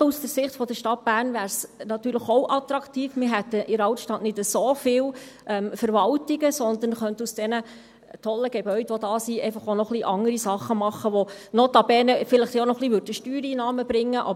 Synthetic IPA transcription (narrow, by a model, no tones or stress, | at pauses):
usd̥əɾsɪχtfɔd̥̪əʃtɑt̚b̥æːrnʋæːɾsnɑt̪yːɾləχɔʊwʔɑt̪ɾɑkt̪iːfmɪɾɦɛt̪ːəʔɪɾɑwtʃtɑtnɪdəsofɪːlʔɛmfəɾʋɑwtiɡəsɔnd̪ən̩χœnt̪usd̥ɛnə | tʰɔlːəɡ̥ɛbœʏdʋɔd̥ɑːsiʔɛɪfɑχonɔχliːʔɑŋəɾisɑχːəmɑχːəʋɔnɔt̪ɑbɛːnəfɪləχt̪onɔχliːʋøɾdəʃtyːɾiːnɑːməb̥ɾɪŋːəʔɑ̰